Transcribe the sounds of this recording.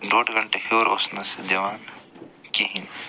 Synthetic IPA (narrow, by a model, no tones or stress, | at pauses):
ɖoːʈɡɐɳʈekʰoɾo̰snɐsd͡ʒɐʋaːnkiɦin